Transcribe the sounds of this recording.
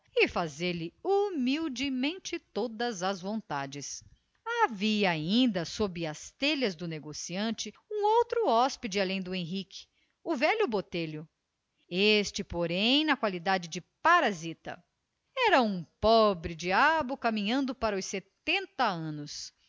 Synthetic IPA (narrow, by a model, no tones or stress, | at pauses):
ɪfazeɾlɪumiwd͡ʒɪmẽnt͡ʃɪt̪od̪ɐzɐzvõnt̪a̰d͡ʒɪs | aviɐaĩnd̪ɐsobɪɐst̪eʎɐzd̪ʊneɡosiɐ̃nt͡ʃɪũowt̪ɾʊɔspid͡ʒɪalẽj̃d̪ʊẽj̃ɦikɪ̥ | ʊvɛlʊbot̪eʎʊ | est͡ʃɪpoɾẽj̃nɐkwalid̪ad͡ʒɪd͡ʒɪpaɾazit̪ɐ̰ | ɛɾɐũpɔbɾɪd͡ʒiabʊkamĩɲɐ̃nd̪ʊpaɾɐʊset̪ẽnt̪ɐɐ̃nʊs